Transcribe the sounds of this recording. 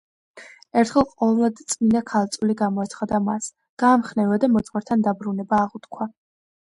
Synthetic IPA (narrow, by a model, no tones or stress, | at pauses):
ɛɾt̪ʰχɛlˠqʼɔvlˠlad̪t̪sʼminakʰalˠt̪sʼuliɡamɔɛt̪sʰχad̪amas | ɡ̥aːmχnɛvad̪amɔt̪sʼχwaɾt̪ʰand̪abɾunɛbaːʁut̪kʰwa